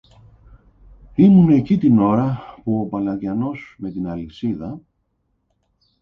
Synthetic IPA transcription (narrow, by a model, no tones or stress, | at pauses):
imunecit̪ino̞ɾɐpuo̞pɐlɐðʝɐno̞sme̞t̪inɐlisiðɐ